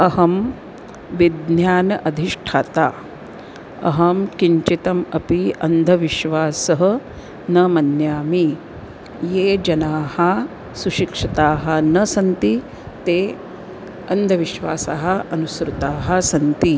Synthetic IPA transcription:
ɐɦɐm | ʋid̪njaːnɐʔɐd̪ʱiʂʈʰaːt̪aː | ɐ̰ɦɐmkiɲt͡ʃit̪ɐmɐpiɐnd̪ʱɐʋiʃʋaːsɐɦɐ̆ | nɐmɐnjaːmi | jeːd͡ʒɐnaːhɐ | suʃikʂɐt̪aːɦɐ̆nɐsɐnt̪i | t̪eː | ɐnd̪ʱɐʋiʃʋaːsaːɦɐ̆ɐnusɾut̪aːɦɐ̆sɐnt̪i

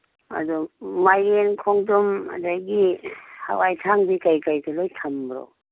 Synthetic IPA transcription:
a̰dɔmajenkʰoŋduma̰dajɡiha̰wajtʰaŋbikajkajtʰalojtʰambɾo̰

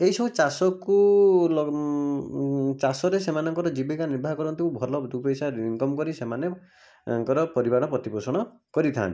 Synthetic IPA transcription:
eɦisɔ̃t͡ʃasɔkulɔ | t͡ʃasɔɾesemanɔŋkɔɾɔd͡ʒibikaniɾbʱaɾkɔɾɔnt̪ikubʱɔlɔd̪upejsaɾiŋkɔmkɔɾisemanɔ | ŋkɔɾɔpɔɾibaɾɔpɾɔt̪iposɔɽ̃ɔ | kɔɾit̪ʰa̰nt̪i

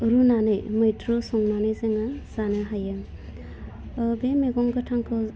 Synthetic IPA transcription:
ɯɾunanɯjmɯjtɾosɔŋnanɯjzeŋaz̥anɯɦajɯ | bemeɡɔŋɡɯtʰaŋkʰɯ

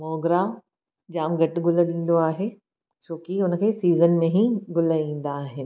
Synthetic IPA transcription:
mɔːɡɾa | d͡ʑaːmɡɐʈɡʊlə̆ɗĩːn̆d̪oaːɦeː | t͡ɕoːkiʊnkʰeːsiːzənmẽɦĩɡʊlaĩːn̆d̪aːɦɪnɪ̆

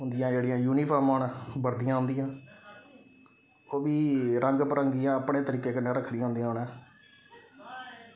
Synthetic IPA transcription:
ɦʊ̃nd̪ɪjãːd͡ʒeːɽijãːjuːniːpʰaːɾməːɳbəɾd̪ijãːɦʊ̃nd̪ijãː | oːʋiːɾʔəŋɡpəɾəŋɡijãːəpɳeːt̪əɾiːkeːkɪnːãːɾəkʰːd̪ijãːʊ̃nd̪ijãːɦʊnãː

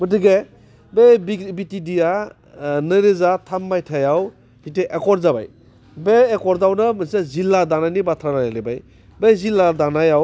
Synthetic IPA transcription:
mɯtɯɡe | bebbitidija | nɯɾezatʰamːajtʰajaw | hiteʔekɔɾzaba̰j | beːkɔɾdawnɯmɯsazilːadanajnibatʰɾanajalebaj | bezilːadanajaw

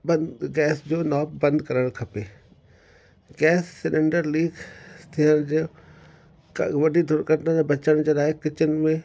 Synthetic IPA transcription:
bɐɡɛːsd͡ʑoːnɔːp̚bɐ̃nd̪kɐɾəɽ̃kʰɐpeː | ɡɛːsːɪɗɪ̃ɳɖəɾliːɡst̪ʰiəñd͡ʑe | ʋɐɖʱid̪ʱʊɾkəʈnənbɐt͡ɕəɽ̃d͡ʑeːlaːekɪt͡ɕənmẽ

